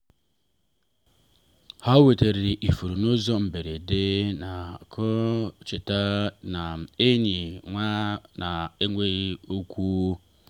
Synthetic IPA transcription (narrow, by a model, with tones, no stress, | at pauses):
ha˦we˨te˨ɾi˨ʔi˨fu˨ɾu˨no˦zo˦m̩˨be˨ɾe˨de˦na˨kʰo˦t͡ʃe˨ta˦na˨e˦ɲi˨ŋʷa˦na˨e˦ŋʷe˦o˦ku˦